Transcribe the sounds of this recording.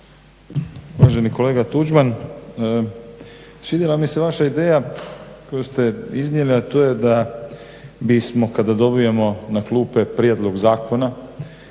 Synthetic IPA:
uʋaʒe̞niko̞leːɡat̪ud͡ʒmanəː | sʋid̪jelamiseʋaʃaid̪e̞ːjako̞just̪eiznjeliat̪oːjed̪a | bismo̞kad̪ad̪o̞bijemo̞naklˠuːpe̞pɾjed̪lˠo̞ɡzaːkʰo̞na

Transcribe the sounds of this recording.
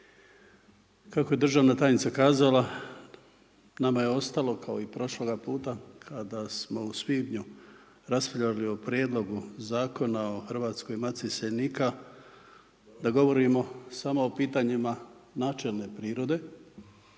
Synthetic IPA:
kakoje̞d̪r̩ʒaːʋnat̪aːjnit̪sakaːzala | namajeo̞st̪alo̞kʰao̞ipɾo̞ʃloɡapuːt̪akʰad̪asmo̞uspiːbɲu | ɾaspʎalio̞pɾjed̪lˠo̞ɡuzaːko̞nao̞xrʋaːt̪sko̞imat̪sisenika | d̪aɡo̞ʋo̞ɾimo̞samoːpiːt̪aɲimanaːt͡ʃe̞lˠne̞pɾiːɾo̞d̪e̞

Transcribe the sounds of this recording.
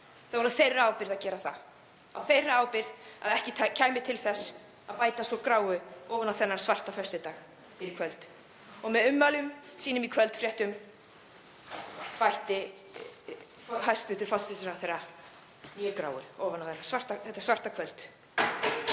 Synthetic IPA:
θavɔɾafejrːʏaːwpɪɾðaðcɛːɾaθa̰ | a̰wfejrːɪaːwpɪɾða̰ðɛhcɪt̪ʰacʰaːjmɪt̪ʰɪlθɛs | aðpaːjt̪asɔkɾaːwʏɔːvanːawθɛnːaɾ̥svar̥t̪afœst̪ʏt̪aːx | fɪɾɪkʰvœlt̪ | ɔɣmɛðʏmːalʏmsiːnʏmikʰvœlt̪fɾjɛht̪ʏm | pajht̪ɪ | ɔɦajst̪vʏht̪ʏɾ̥fɔsɪsɾaθejɾa | iʏkɾa̰ːwʏ̰ɔːvanawθɛnːḁsvar̥t̪aθɛt̪asvar̥t̪akʰvœlt̪

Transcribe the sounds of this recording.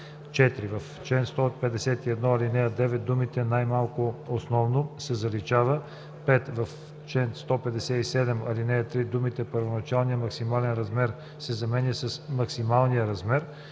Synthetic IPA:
t͡ʃɛt̪ɾivɐf | t͡ʃɛnst̪ɔpɛd̪ɛsɛt̪iɛd̪nɔɐlinɛɐd̪ɛvɛt̪̚d̪umit̪ɛnajmalˠkʊosnɔvnosɛzɐlit͡ʃavə | pɛt̪vɐf | t͡ʃlɛnst̪ɔpɛd̪ɛsɛisɛd̪ɛmɐ̰linɛɐt̪ɾid̪umit̪ɛpɐɾvonɐt͡ʃalˠnijəmɐksimalɛnɾɐzmɛɾ | sɛzɐmɛnjəsɐsmɐksimalˠnijəɾɐzmɛɾ

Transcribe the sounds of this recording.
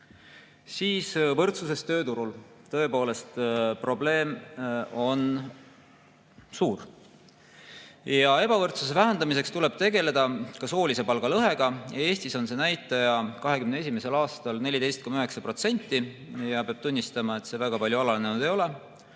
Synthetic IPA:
siːsvɤrt̪suse̞st̪ø̞ːt̪uɾul | t̪ɤ̞e̞po̞ːle̞st̪pro̞ble̞ːmo̞n | suːr | jɑe̞b̥ɑvɤrt̪sus̬e̞væɦend̪ɑmis̬e̞kst̪ule̞b̥̚t̪e̞ɡe̞le̞d̪̥ɑkɑso̞ːlʲise̞pɑlɡ̥ɑlɤɦe̞ɡ̥ɑe̞ːst̪iso̞nse̞næjt̪ːˑɑjɑkɑɦe̞kymneesimese̞lɑːst̪ɑlne̞lʲid̪ejst̪̚komyɦe̞ksɑpɾro̞t̪se̞nʲt̪ːi | jɑpeɑb̥̚t̪unʲːist̪ɑmɑe̞t̪se̞væɡ̥ɑpɑlʲjuɑlɑlnenud̪e̞jo̞le̞

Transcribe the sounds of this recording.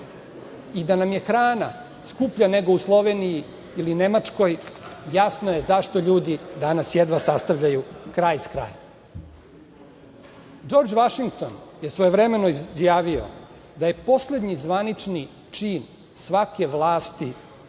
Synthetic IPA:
id̪anamje̞xɾaːna | skupʎane̞ɡo̞uslˠo̞ʋeniji | iline̞mat͡ʂko̞jjasnoje̞zaʂt̪o̞ʎuːd̪id̪anasjed̪ʋasast̪aʋʎajukɾajskɾa̰ːja | d͡ʒo̞ɾd͡ʒʋaʃiŋk̚t̪o̞njesʋojeʋɾe̞me̞noizjaːʋio̞̰ | d̪aje̞po̞sle̞d̪ɲizʋanit͡ʂni | t͡ʂiːn | sʋake̞ʋlˠaːst̪i

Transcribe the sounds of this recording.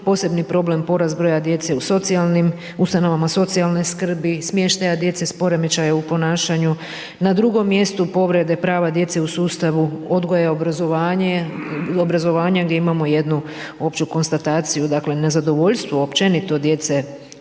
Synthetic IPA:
po̞ːse̞bnipɾo̞ble̞mpo̞ɾazbɾojad̪je̞t̪se̞uso̞t̪sialnim | ust̪ano̞ʋamaso̞t̪sialne̞skr̩bismje̞ʃt̪ajad̪je̞t̪se̞spo̞ɾe̞mit͡ʃajaupo̞naːʃaɲu | nad̪ɾuɡo̞mːje̞st̪upo̞ʋɾe̞d̪e̞pɾaːʋad̪je̞t̪se̞usuːst̪aʋuo̞d̪ɡo̞jeobɾazoʋaːɲeobɾazo̞ʋaːɲaɡd̪ʲjeimamo̞je̞d̪nu | o̞pt͡ʃuko̞nst̪at̪aːt̪sijud̪akle̞ne̞zad̪o̞ʋo̞ʎʲst̪ʋoopt͡ʃe̞nit̪o̞d̪je̞t̪se̞

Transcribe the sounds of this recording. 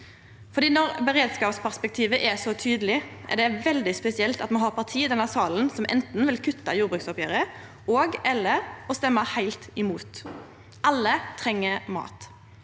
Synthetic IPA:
fɔʁd̪iːnɔɾbəʁeːd̪skɑːpspʰæʁspɛk̚t̪ʰiːʋəʔɛsɔt̪ʰyːd̪əlɪʔɛ̰ʁd̪ɛʋɛld̪ɪspɛsɪɛlt̪ɑt̪mɑnɦɑʁpʰɑʁt̪ʰiːd̪ɛnːəsɑːln̩sɔmʔɛ̰nt̪n̩ʋɪlkʰʉt̪ːɑjuːɾbɾʉːksɔpjøːɾə | oːɡɛlːəɾɔst̪ɛmːɑhæɪlt̪ɪmuːt̪ | ʔɑlːət̪ʰɾɛŋːəmɑ̰ːt̪

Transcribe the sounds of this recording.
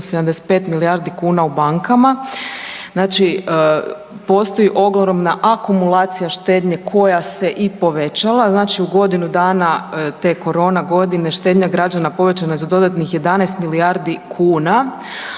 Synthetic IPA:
sed̪amd̪e̞se̥t̪pe̞t̪miliaɾd̪ikuːnaubaŋkama | znaːt͡ʃi | po̞st̪o̞jiʔo̞ɡloɾomnaʔakumulˠaːt̪sijaʃt̪e̞ːd̪ɲe̞kʰo̞jase̞ʔipo̞ʋe̞t͡ɕalˠaznaːt͡ʃiuɡo̞d̪inud̪aːnat̪e̞ko̞ɾo̞ːnaɡo̞d̪ine̞ʃt̪ed̪ɲaɡɾad͡ʒanapo̞ʋe̞t͡ɕanaezad̪o̞d̪at̪nixje̞d̪anajst̪miliaɾd̪ikʰuːna

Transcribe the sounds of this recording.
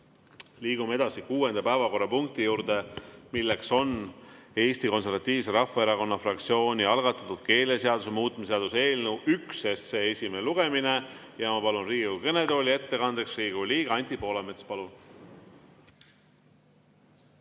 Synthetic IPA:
liːɡ̥umee̞d̪̥ɑsikuːe̞nd̪ɑpæevɑko̞rːɑpuŋk̚t̪ijuːɾd̪e̞milːekso̞ne̞ːsʲt̪iko̞ns̬e̞rvɑt̪ːˑiːvse̞ɾɑfːɑe̞ɾɑko̞nːɑfrɑkt̪sio̞ːnʲiɑlɡ̥ɑt̪ːˑɑt̪ːˑud̪̥ke̞ːle̞seɑd̪usemuːt̪ːˑmeseɑd̪̥use̞ːlnewʔykse̞sːee̞sʲimeneluɡ̥e̞mine̞ | jɑmɑpɑlunriːɡiukene̞d̪o̞lʲie̞t̪ːe̞kɑnd̪eksriːɡ̥uliːɡ̥ɑɑnʲt̪ʲipo̞ːleme̞t̪spɑlun

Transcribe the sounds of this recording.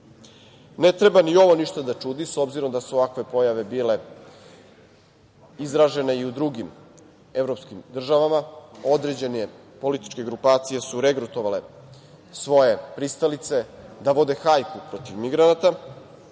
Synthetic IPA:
net̪ɾe̞banio̞ʋo̞niʃt̪ad̪at͡ʃuːd̪iso̞bziɾo̞md̪asuoʋakʋe̞po̞jaʋe̞bile̞ | izɾaʒe̞ne̞iud̪ɾuɡim | e̞vɾo̞pskimd̪r̩ʒaʋamao̞d̪ɾe̞d͡ʑe̞ne | po̞lit̪i̥t͡ʃke̞ɡɾupaːt̪sije̞suɾeɡɾut̪o̞ʋale̞ | sʋo̞jepɾist̪alit̪se̞d̪aʋo̞d̪e̞xajpupɾo̞t̪iʋmiɡɾanat̪a

